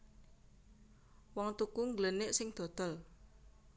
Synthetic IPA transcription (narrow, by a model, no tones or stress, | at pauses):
wɔŋt̪ukuŋɡlənɪʔsɪŋd̪̥o̤d̪̥ɔ̤l